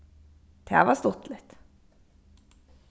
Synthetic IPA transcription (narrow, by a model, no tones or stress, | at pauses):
d̪̥ʰæ̰ʋɑst̪ɔt̪lɪt̪